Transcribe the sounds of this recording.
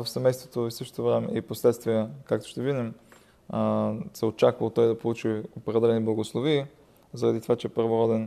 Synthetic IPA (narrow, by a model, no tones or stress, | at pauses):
vəfsɛmɛjst̪vot̪oisɤʃt̪o̥t̪ovɾɛmɛ̰iposlɛt̪st̪vijəkakt̪o̥ʃt̪ɛviɡ̪nim | sɛot͡ʃakvəlˠt̪ɔjd̪ɐpolˠut͡ʃiopɾɛd̪ɛlɛniblˠɐɡoslˠoviː | zɐɾɐd̪it̪ovat͡ʃɛɛpəɾvoɾɔd̪ɛn